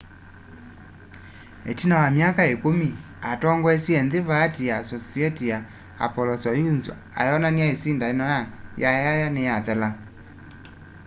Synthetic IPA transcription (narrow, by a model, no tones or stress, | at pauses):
ɛtinawamjakaekumi | atɔŋɡwɛsiɛnðeβaːtijasɔsiɛtija | a̰pɔlɔsɔjunzṵ | a̰jɔnaniaesindainɔjajajajanejaðɛla